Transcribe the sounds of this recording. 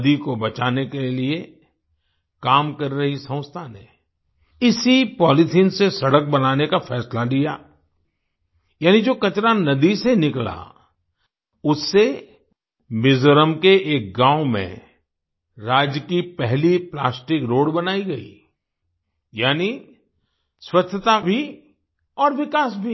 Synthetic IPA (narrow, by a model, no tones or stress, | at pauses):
d̪ikobɐt͡ʃaːnekelie | kaːmkɐɾɾɐɦisɐ̃ʊ̃st̪ʰaːnɛ̰ | ɪsipɔːlɪtʰinsesɐɽək̚bɐnaːnekafʰɛːslad̪ija̰ː | jaːnid͡ʒoːkɐt͡ʃɾanɐd̪isenɪkla̰ | ʊsːe | mɪzɾəmkeʔeːk̚ɡãːʊmḛ̃ | ɾaːd͡ʒəkipɛɦliplaːsʈɪkɾoːɽbɐnaːiɡɐḭ | jaːni | swɐt͡ʃʰːət̪abʱi | ɔːɾʋɪkaːsbʱi